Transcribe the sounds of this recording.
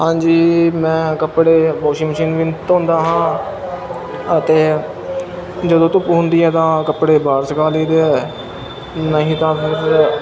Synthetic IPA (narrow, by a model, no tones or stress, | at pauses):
ɦãːɲd͡ʒiːmɛ̃ːkəpɽeːbɔːʃiːməʃiːnʋɪnt̪ɦʊ̃ːnd̪aːɦãː | ət̪eː | d͡ʒəd̪õːt̪ʊpɦʊ̃nd̪iːɛːt̪ãːkəpɽeːbaːɾsəkaːliːd̪eːɛː | nəɦĩːt̪ãːpʰɪɾ